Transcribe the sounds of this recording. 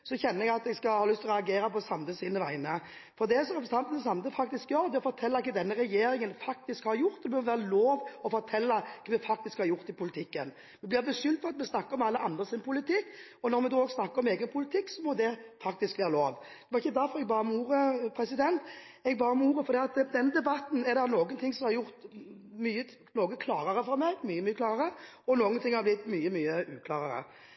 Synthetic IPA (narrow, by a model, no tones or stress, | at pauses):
sɔçɛnːəɾɛɡɑt̪ɛɡskɑhɑːlʏst̪ʰɔɾɛɑɡeːɾəpɔsɑmd̪əsiːnəʋæ̰ɪnə | fɔɾd̪ɛsɔʁɛpɾəsɑnt̪ənəsɑmd̪əfɑk̚t̪ɪskjøːɾd̪ɛɔfɔɾt̪ʰɛlːɑɪkːəd̪ɛnːəɾɛjeːɾɪŋənfɑk̚t̪ɪskhɑɾjʊɾt̪d̪ɛbœɾmʋæːɾəloːʋɔfɔɾt̪ʰɛlːɑkʰːmɛfɑk̚t̪ɪskhɑɾjʊɾt̪ɪpʰʊlɪt̪ʰɪkːə̰n | mɛblɪɾbɛsʏlt̪fʰɔɑt̪mɛsnɑkːəɾɔmɑlːəʔɑnd̪ʁəsɪnpʊlɪt̪ɪkː | ɔnɔɾmɛd̪oːoːɡsnɑkːəɾɔmeːɡənpʰʊlɪt̪ʰɪkːsɔmɔd̪ɛfɑk̚t̪ɪskʋeːɾəloːʋ | d̪̥ɛʋɑɾɪçːəd̪æɾfɔɾɛɡbɑːɾɔmuːɾəpʰɾɛsɪd̪ɛnt̪ | ɛɡbɑːɾɔmuːɾəfɔɾd̪iːɑt̪d̪ɛnːd̪ɛbɑt̪n̩ɛɾd̪ɛnoːɡənt̪ʰɪŋsɔmhɑɾjʊɾt̪myːə | noːɡəkʰlɑːɾəɾəfɔɾmɛɡmyːəmyːəklɑːʁəɾə | ɔnoːɡənt̪ɪŋhɑɾblɪt̪myːəmyːəʉːkʰlɑːɾəɾə̰